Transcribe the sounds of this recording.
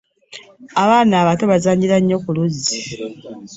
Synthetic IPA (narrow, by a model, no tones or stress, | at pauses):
aβaːnaːβato̞βazaːɲɟiɾaɲːo̞kuluzi